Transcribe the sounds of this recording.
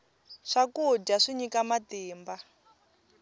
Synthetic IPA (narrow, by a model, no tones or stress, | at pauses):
ʂakud͡ʒaʂiɲikamatiːmba